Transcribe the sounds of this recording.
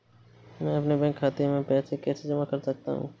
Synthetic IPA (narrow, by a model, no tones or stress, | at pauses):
mɛ̃ːɐpnebɛ̃ːŋkʰːaːt̪emẽpɛːsekɛːsed͡ʒɐmakɐɾsɐk̚t̪a̰ɦṵ̃ː